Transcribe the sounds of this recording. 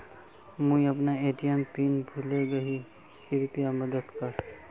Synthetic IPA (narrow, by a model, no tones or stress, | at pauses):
mũiɐpnaeːʈijəmpiːnbʱuleɡɐɦi | kiɾʊpijamɐd̪əd̪kɐɾ